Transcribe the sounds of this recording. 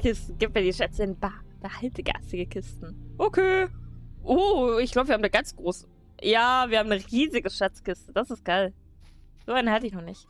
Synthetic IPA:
kʰɪstn̩ɡiːp̚t̚miːɐdiʃɛt͡səɪnb̥aɐkd̥ahaltəɡa̰stɪɡəkʰɪstn̩ʔokʰeːʔoɪçɡlaʊbəviːhːmd̥aːɡant͡sɡ̥ʁoːs | jaːviːɐhaːmnəʁiːzɪɡəʃat͡skɪstəd̥asɪst̚ɡ̥aɪl | z̥oːʔaɪnəhaltəɪçnɔχnɪçt

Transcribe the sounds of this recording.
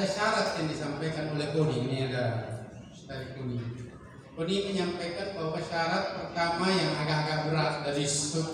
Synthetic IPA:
aʃaɾat̪̚jaŋdisampajkanolɛhɡoniɡuniaɡa | taɾikuni | koniməɲampajkanbakaʃaɾat̪̚pərt̪amajaŋaɡaʔaɡaʔuɾat̪̚daɾissu

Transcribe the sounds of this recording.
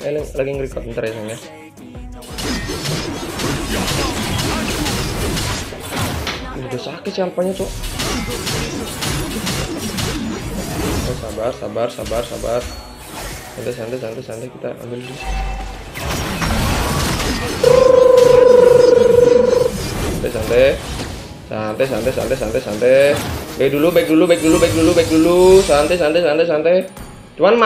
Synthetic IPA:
ɛlɛŋlaɡiŋɾikɔt̪̚ənt̪aɾajasaŋa | uudasakɛsialpaɲat̪ʊ | aa | asabarsabarsa̰barsa̰bar | sant̪ɛsant̪ɛsant̪ɛsant̪ɛkit̪a̰ʔa̰mbɪldi | sant̪ɛsant̪ɛ | sant̪ɛsa̰nt̪ɛsa̰nt̪ɛsa̰nt̪ɛsa̰nt̪ɛbaik̚dulubak̚dulubaik̚dulubak̚dulubaik̚dulusant̪ɛs̬ant̪ɛsanɛsant̪ɛ | t͡ʃuanma

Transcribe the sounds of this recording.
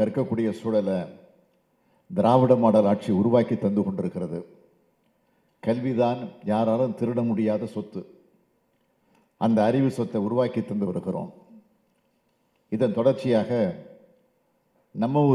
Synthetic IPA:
ɐɾɯkːɐkːuːɽɪjɐsuːɽɐlɐ | d̪ɪɾaːʋɪɽɐmaːɽɐlaːʈ̚t͡ʃiʊɾʊʋaːkit̪ːɐnd̪ɯkɔɳɖɪɾɯkːɪɾɐðɯ | kɐlʋɪðaːnjaːɾaːlɯmt̪ɪɾɯɽɐmʊɽɪjaːðɐsɔt̪ːɯ | ʔɐnd̪ɐːɾɪʋɯsɔt̪ːɐʊɾʊʋaːkit̪ːɐnd̪ɯʋɐɾɯɣɪro̰ːm | ɪðɐnt̪ɔɽɐɾt͡ʃːɪjaːɣɐ | nɐmːɐɔ

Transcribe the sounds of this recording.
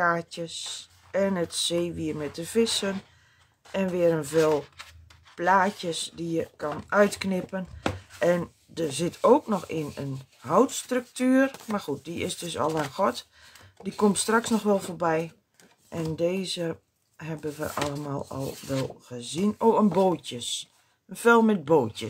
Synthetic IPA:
aːtjəs | ɛnətseːʋiərmɛt̚dəv̥ɪsən | ɛnʋɪəɾənvɪːlˠ | plaːtjəsdijəkʰanœɥtknɪpənʔɛn | dərzɪtʰowknɔxɪnə̰n | hɔwtstrʏk̚tyːərmarxut̚diɪ̰sdøsɔ̰lˠanxɔt | dikomtstraksnɔxʋɛlˠfoːbɛj | ʔɛndeːzə | ɦɛbənʋə̰ʔa̰lˠəma̰ːlˠɔ̰lˠʋɛlˠɣəzinoːənboːjəs | ənfɛlˠmɛt̚boːtjə

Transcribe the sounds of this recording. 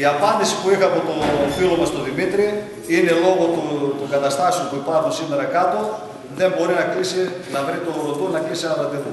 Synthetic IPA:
iɐfɐnd̪isi̥puixɐmet̪ofilo̞mɐst̪oðimit̪ɾi | ine̞lo̞ɣo̞t̪ut̪uɡɐt̪ɐst̪ɐsiupuipɐɾxunsime̞ɾɐkɐt̪o̞ | ðe̞mbo̞ɾinɐklisinɐvɾit̪oɾot̪onɐklisinɐpɐnd̪iθu

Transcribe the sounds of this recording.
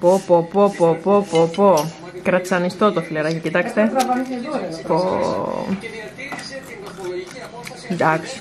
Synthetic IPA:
popopopopopopo | kɾɐt̪sɐnist̪ot̪ofileɾɐcicit̪ɐkst̪eɐpo | nd̪ɐks

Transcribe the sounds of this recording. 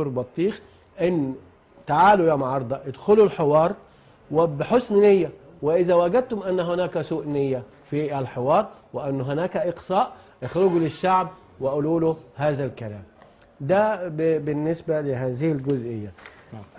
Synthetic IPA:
uːɾbɑt̪ˤːiːx | ʔɪnː | t̪aʕaːlʊjamʕɑɾˤd̪ˤɑʔɪd̪xʊlulħɪwɑːɾˤ | wɪbɪħosnnɪjːæ | wɪʔɪzæwæɡæd̪̚t̪ʊmʔanːɦʊnaːkæsuːʔnɪjːæ | fiʔælħɪwɑːɾˤwɪʔanːɦʊnaːkæʔɪqsɑːʔ | ʔɪxɾʊɡulɪʃːaʕb̚ | wɪʔʊluːlʊhaːzælkæla̰ːm | d̪æbbɪnːɪsbælɪɦaːzɪhɪlɡʊzʔɪjːa

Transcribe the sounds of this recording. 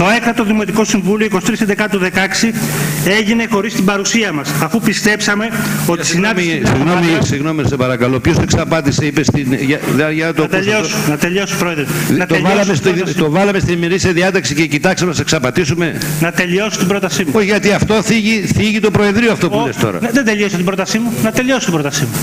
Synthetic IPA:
t̪o̞ekt̪ɐt̪o̞ðimo̞t̪iko̞siɱvulio̞ikosi̥t̪ɾisend̪ekɐt̪uðe̞kɐksie̞ʝine̞xo̞ɾist̪ibɐɾusiɐmɐsɐfupist̪e̞psɐme̞o̞t̪i̥sinɐmsiɣnomisiɣno̞misepɐɾɐkɐlo̞pço̞seksɐpɐt̪iseipest̪inʝɐðʝɐnɐt̪oɐp̪eʎosunɐt̪eʎo̞sobɾoeðɾinɐt̪oʎvɐlɐmest̪t̪ovɐlɐmest̪inimeɾisiɐðiɐt̪ɐksicecit̪ɐksɐmeseksɐpɐt̪isume̞nɐt̪e̞ʎio̞sot̪ibɾo̞t̪ɐsimuoçɣɐt̪iɐft̪o̞θiʝiθiʝit̪o̞pɾoe̞ðɾioɐft̪o̞pulest̪o̞̰ɾɐ̰nðend̪eʎosɐt̪ibɾo̞t̪ɐsimunɐt̪e̞ʎo̞so̥t̪ibɾo̞t̪ɐsimu

